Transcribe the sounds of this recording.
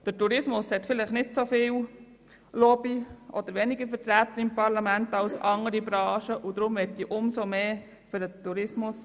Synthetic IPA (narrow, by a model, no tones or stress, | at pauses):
d̪̥ətuɾɪsmʊshɛt̪fɪlɪχnɪtsofɪːw | lɔbiʔɔd̪əɾʋɛnɪɡəɾfəɾtɾæːt̪ːəɾɪmpɑɾlɑmænt̪ɑwsʔɑŋəɾibɾɑːʃəʔud̪ɾʊmʋɛt̚diʔʊmsomeː | fʏɾdətuɾɪsmʊs